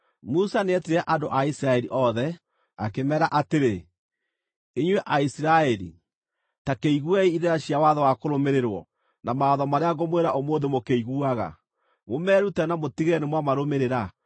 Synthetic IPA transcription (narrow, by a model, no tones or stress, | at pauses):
musaneɛtiɾɛʔandoʔaisiɾaɛɾiʔɔðɛ | akemɛɾaʔateɾe | eɲwɛʔaisiɾaɛɾḭ | takeiɣuaiiðeɾaɕiawaðɔwakoɾomeɾeɾwɔ̰ | namaɔðɔmaɾeaɣɡɔmweɾaʔomoːðemokeiɣuaɣa̰ | momɛɾutɛnamotiɣɛnemwamaɾomeɾeɾa